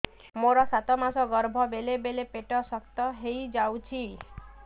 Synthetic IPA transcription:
moɾɔsat̪ɔmasɔɡɔɾbʱɔbelebelepeʈɔsɔkt̪ɔɦejd͡ʒawt͡ʃʰi

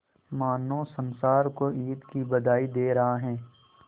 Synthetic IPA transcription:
maːnːõsɐ̃nsaːɾkoiːd̪kibɐd̪aːid̪eːɾɐɦaɦɛ̃ː

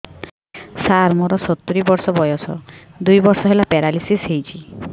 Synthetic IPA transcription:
saɾmɔɾɔsɔt̪ːuɾibɔɾsɔbɔjɔsʰɔ̰d̪ujbɔɾsɔɦelapeɾalisisɦejt͡ʃʰi

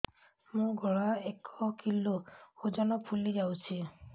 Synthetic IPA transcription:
mũɡʱɔɽaekʰɔkilood͡ʒanɔpʰulid͡ʒawt͡ʃʰi

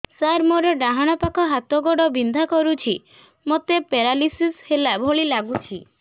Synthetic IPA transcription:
saɾmoɾɔɖaɦaɽ̃ɔpakɔɦat̪ɔɡɔɽɔbind̪ʱakɔɾut͡ʃʰi | mot̪epeɾalisishelabʱoɭilaɡut͡ʃʰi

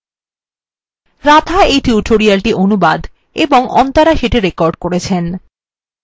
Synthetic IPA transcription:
ɾat̪ʰaejʈiuʈʰoɾialʈiʔonuba̰d̪ | eboŋʔɔ̰nt̪aɾaʃeʈiɾekɔɾɖkoɾet͡ɕʰen

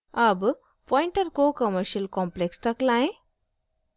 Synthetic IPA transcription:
əb | pɔiɳʈəɾkokəməɾɕiəlkɔ̃mplekst̪əklãɦẽ

